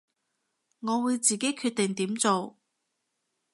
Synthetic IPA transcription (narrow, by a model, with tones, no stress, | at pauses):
ŋɔː˨˧wuː˨˧jt͡siː˨˩ke˨˥jkʰyː˥˧t̚t̪ɪ˨ŋt̪iː˨˥mt͡so˨w